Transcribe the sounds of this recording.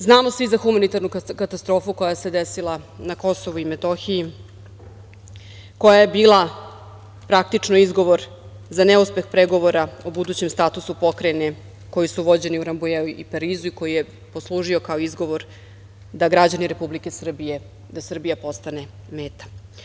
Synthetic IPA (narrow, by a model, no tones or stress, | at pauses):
znaːmo̞sʋizaxumanit̪aɾnukkat̪ast̪ɾo̞ːfuko̞jase̞d̪esilˠanako̞so̞ʋuimet̪oxiji | ko̞jaje̞biːlˠa | pɾak̚t̪it͡ʂnoizɡo̞ʋo̞ɾ | zanɛuspe̞xpɾeɡo̞ʋo̞ɾaobud̪uːt͡ɕe̞mst̪aːt̪usupo̞kɾene | ko̞jisuʋo̞d͡ʑe̞niuɾambujeuipaɾiːzuiko̞jije | poslˠuːʒio̞kaoizɡo̞ʋo̞ɾ | d̪aɡɾad͡ʑaniɾe̞publike̞sr̩bije | d̪asr̩bijapo̞st̪ane̞ | meːt̪ḁ